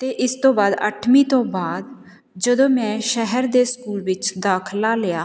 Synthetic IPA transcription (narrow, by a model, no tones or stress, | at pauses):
t̪eːʔɪst̪õːbaːd̪ə̰ʈʰmiːt̪õːbaːd̪ | d͡ʒəd̪õːmɛ̃ːʃəɦəɾd̪eːskuːlʋɪt͡ʃd̪aːkʰlaːlɪjaː